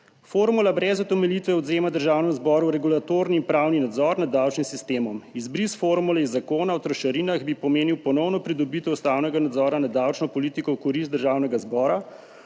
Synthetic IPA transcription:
foɾmulabɾɛzɔt̪ɛmɛlit̪ʋɛɔd̪zeːmad̪əɾʒaːwnɛmzbɔːɾuwɾɛɡulat̪oːɾniːmpɾaːwninad̪zɔɾnad̪ːawt͡ʃnimsist̪eːmɔmizbɾisfoɾmulɛizːakoːnawt̪ɾɔʃɐɾinaɣbipɔmeːniwpɔnɔwnɔpɾid̪ɔbiːt̪ɛust̪aːwnɛɡanad̪zɔɾanad̪awt͡ʃnɔpɔliːt̪ikɔwkɔɾist̪d̪əɾʒaːwnɛɡazbɔːɾa

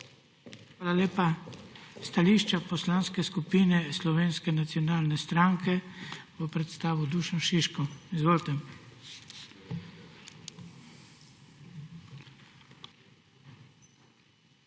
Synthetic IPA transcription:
xʋaːlaleːpa | st̪aliʃt͡ʃapɔslanskɛskupiːnɛslɔʋeːnskɛnat̪siɔnaːlnɛst̪ɾaŋkʰɛʋɔpɾɛt̪st̪aːʋud̪uːʃɔʃiʃkɔizʋoːlt̪ɛ

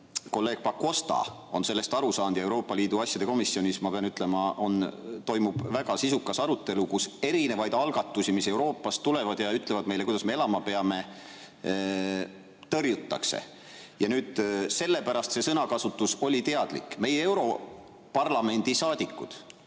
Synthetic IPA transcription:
ko̞lːe̞ːɡ̥̚pɑkːˑo̞st̪ɑ̰ | o̞nse̞lːe̞st̪ɑɾusɑːnd̪̥jɑe̞wɾo̞ːpːˑɑliːd̪uɑsʲjɑd̪e̞ko̞misːio̞nʲismɑpe̞ɑnyt̪ːˑlemɑʔo̞nt̪o̞jmub̥væɡ̥ɑsisukːˑɑsɑɾut̪ːˑe̞lukuse̞ɾine̞vɑjd̪ɑlɡ̥ɑt̪ːˑusimise̞wɾo̞ːpːˑɑst̪ːule̞vɑd̪̥jɑyt̪ːˑle̞vɑd̪me̞jle̞kujd̪̥ɑsme̞e̞lɑmɑpe̞ɑme̞ | t̪ɤrjut̪ːˑɑ̰kse̞̰ | jɑnyːd̪̥se̞lːe̞pæɾɑst̪se̞sɤnɑkɑsut̪ːˑuso̞lʲit̪e̞ɑd̪̥lḭkːˑme̞jee̞wɾo̞ | pɑrlɑme̞nʲd̪̥isɑːd̪̥ikːˑud̪̥

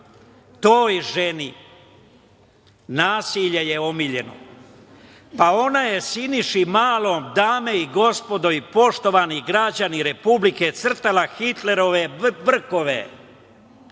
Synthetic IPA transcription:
t̪oːjʒeni | naːsiʎejeomiʎe̞no̰ | pao̞naje̞siniʃimaːlomd̪aːmeiɡo̞spo̞d̪oipo̞ʃt̪o̞ʋaniɡɾad͡ʑaniɾe̞publiket̪sr̩t̪alaxit̪le̞ɾo̞ʋeʋr̩ko̞ʋḛ

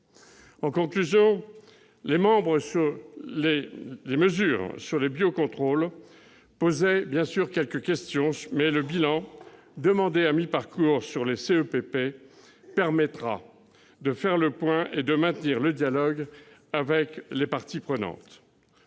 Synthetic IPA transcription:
ɑ̃kɔ̃klyzjɔ̃ | lemɑ̃bʁəsyʁleleməzyːʁsyʁlebjokɔ̃t̪χol | pozɛbjɛ̃syʁkʲɛlkəkʲɛst̪jɔ̃mɛləbilɑ̃ | d̪əmɑ̃d̪eamipaʁkuʁsyʁleseøpepe | pɛʁmɛt̪χa̰ | d̪əfɛʁləpwɛ̃ʔed̪əmɛ̃t̪niʁləd̪jalɔɡ | avɛklepaʁt̪ipχənɑ̰̃t̪

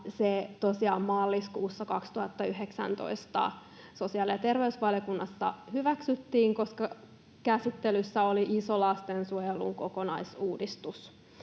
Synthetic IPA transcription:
set̪osiɑːmmɑlːiskuːsːɑkɑkst̪uhɑt̪ːɑyɦeksæ̰nt̪o̰ist̪ɑ̰ | so̞siɑliɑt̪erʋeysʋɑljokunːɑsːɑ̰hyʋæksyt̪ːiːŋko̞skɑ | kæsit̪ːelysːæoliʔisolɑst̪ensuojelṵŋkokonɑisuːdist̪us

